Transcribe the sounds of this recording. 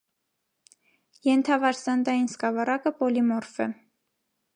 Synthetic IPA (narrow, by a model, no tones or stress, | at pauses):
jɛnt̪ʰɑvɑɾsɑnd̪ɑjinskɑvɑɾɑkəpɔlimɔrfɛ